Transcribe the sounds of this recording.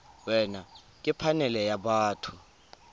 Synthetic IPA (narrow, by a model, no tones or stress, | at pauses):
wɛna | k̬ʼipʰanɛlɛjaɓaːtʰu̥